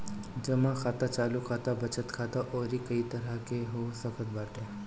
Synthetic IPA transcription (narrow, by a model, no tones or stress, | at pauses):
d͡ʒɐmãkʰaːt̪at͡ʃaːlukʰaːt̪abɐt͡ʃət̪kʰaːt̪aʔoːɾikɐit̪ɐɾakeɦoːsəkət̪̚baːʈẽː